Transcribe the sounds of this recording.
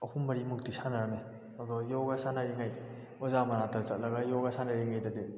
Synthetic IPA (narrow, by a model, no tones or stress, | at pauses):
ɐhumbɐɾimuk̚disanɐɾɐme | ɐdɔjɔɡɐsanɐɾiŋaj | ɔzamɐnatɐt͡ʃɐt̚lɐɡɐjɔɡɐsanɐɾiŋajdɐdi